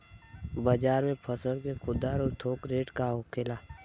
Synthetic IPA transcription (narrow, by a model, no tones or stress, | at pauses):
baːd͡ʒaːɾmẽpʰəsəɾkekʰʊd̪aːɾɔːɾt̪ʰoːkɾeːʈkaɦoːkʰeːlaː